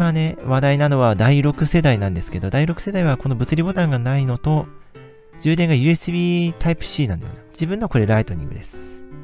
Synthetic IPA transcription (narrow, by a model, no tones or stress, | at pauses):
mane̞βad̪ainano̞βad̪aiɾo̞kɯ̟se̞d̪ainãnd̪e̞sɨ̥ke̞d̪o̞d̪aiɾo̞kɯ̟̥se̞d̪aiβako̞no̞bɯ̟t͡sɨɾʲibo̞t̪ãŋɡanaino̞t̪o̞ | d͡ʑɨːd̪ẽ̞ŋɡajɯ̟ːesɨbʲiːt̪ʰaipɯ̟̥ɕiːnãnd̪ḛjo̰nad͡ʑibɯ̟̃nːo̞koɾeɾait̪o̞ɾʲḭ̃ŋɡɯ̟̰d̪e̞sɨ̥